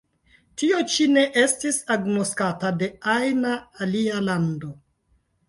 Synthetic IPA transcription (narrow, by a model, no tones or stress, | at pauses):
tio̞t͡ʃine̞ʔe̞stisaɡnoskatade̞ajnaːlialando